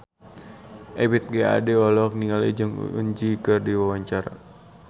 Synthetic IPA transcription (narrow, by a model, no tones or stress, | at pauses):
ʔɛwit̪̚ɡɛa̰dɛɔlɔk̚niŋalḭd͡ʒɨŋ̰ṵɲd͡ʒikɨrdiwawaɲt͡ʃaɾa̰